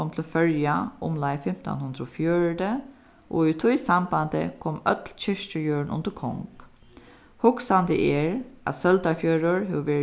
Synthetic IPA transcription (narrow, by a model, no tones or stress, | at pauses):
ɔmt̪ʰɪlfœɾjaʊmlaɪfɪm̥t̪ɔ̰nhʉnd̪ɾɔfjøːɹd̪ə | ʔo̰it̪ʰɔjsamband̪ə̰kʰɔmœ̰t̪lt͡ɕɪʂt͡ʃəjøːɹnʊ̰nd̪əkʰɔ̰ŋk | hʊksand̪ə̰ʔɛɹæ̰t̪sœld̪aɹfjøːɾʊɹɦeʋʋeːɾ